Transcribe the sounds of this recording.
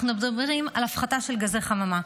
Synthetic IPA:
χnumed̪abeʁimalafχat̪aʃe̞lɡazeχamama

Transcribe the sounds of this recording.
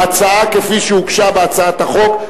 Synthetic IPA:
at͡saakefiʃeukʃabeat͡saat̪haχo̞k

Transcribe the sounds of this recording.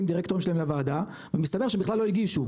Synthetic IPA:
imd̪iʁekt̪o̞imʃelaemlavaːd̪a | vemist̪abe̞ʁʃebiχlalːoiɡiʃu

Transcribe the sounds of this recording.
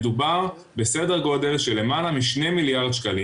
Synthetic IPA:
dubaʁ | be̞se̞de̞ʁɡo̞de̞lʃe̞le̞malamiʃne̞miljaʁd̪ʃkali

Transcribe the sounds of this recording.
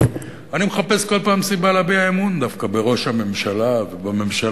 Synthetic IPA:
animeχape̞sko̞lpaːmsibalabeaemund̪afkabe̞ʁo̞ʃhame̞mʃalavebame̞mʃa

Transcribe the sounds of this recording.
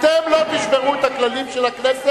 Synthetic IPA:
t̪emlo̞t̪iʃbeʁuet̪haklalimʃelaknese

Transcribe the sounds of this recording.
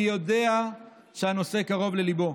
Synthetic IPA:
jo̞de̞a | ʃehano̞se̞kaʁo̞vle̞libo̞

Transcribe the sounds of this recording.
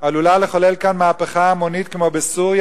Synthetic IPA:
alulaleχole̞lkanmaːpeχaːmo̞nitkemo̞besuʁj

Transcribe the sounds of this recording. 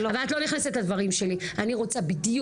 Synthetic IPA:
avalat̪lo̞niχneset̪ad̪vaʁimʃe̞lianiʁo̞t͡sabid̪ju

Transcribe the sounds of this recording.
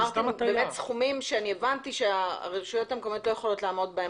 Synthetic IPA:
atmbemetsχumimʃeanievant̪iʃea̰ʁeʁʃujo̞themkomoot̪lo̞jeχo̞lo̞tlaːmo̞dbae

